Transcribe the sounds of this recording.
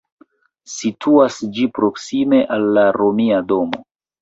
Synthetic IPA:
sitʰuasd͡ʒipɾo̞ksime̞ʔalːaɾo̞miado̞mo̞̰

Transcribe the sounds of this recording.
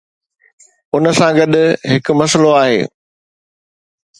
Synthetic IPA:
ʊnəsãɡɐɗʊɦɪkʊ̆mɐsəloaːɦḛː

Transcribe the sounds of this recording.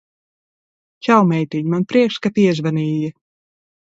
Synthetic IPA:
t͡ʃawmɛjt̪iɲmanpɾiɛkʃskat̪iɛzvaniːjɛ

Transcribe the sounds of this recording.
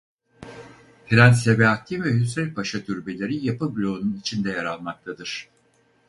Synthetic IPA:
hiɾænsebɛat̪ʰːʲivɛɦysɾɛlʲpʰaʃat̪ʰyɾbe̞lʲe̞ɾijapɯblʲo̞ːnunit͡ʃʰind̪ɛjaɾalˠmak̚t̪ʰad̪ɯɾ̥

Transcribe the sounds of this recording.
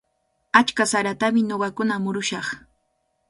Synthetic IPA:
at͡ʃkasaɾat̪amɪɲoɢɑkʊnamʊɾʊʃɑχ

